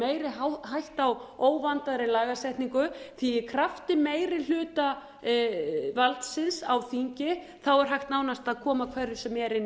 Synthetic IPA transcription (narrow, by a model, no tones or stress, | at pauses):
eːjɾɪhajht̪awoːwvant̪aðɾɪlaːɣasɛjht̪niŋkʏθiɪkʰɾaft̪ɪmeːjɾɪl̥ʏːt̪a | valt̪sɪnsawθiɲcɪ | θawɛɾ̥ɦajht̪naːwnast̪aðkʰɔːmakʰv̥ɛɾɪ̥sɛmɛɾɪn